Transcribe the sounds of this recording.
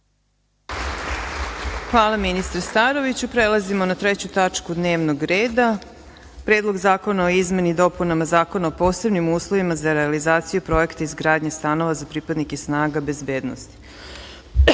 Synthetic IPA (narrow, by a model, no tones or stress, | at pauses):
xʋaːlˠaminist̪ɾest̪aɾo̞ʋit͡ɕupɾelˠazimo̞nat̪ɾet͡ɕut̪at͡ʂkud̪neːʋno̞ɡɾeːd̪a | pɾeːd̪lˠo̞ɡzaːko̞naoizme̞nid̪o̞punamazaːko̞naopo̞ːse̞bnimuːslˠo̞ʋimazaɾealizaːt̪sijupɾo̞ekt̪aizɡɾaːd̪ɲest̪ano̞ʋazapɾipad̪nikesnaːɡabe̞zbe̞ːd̪nost̪i̥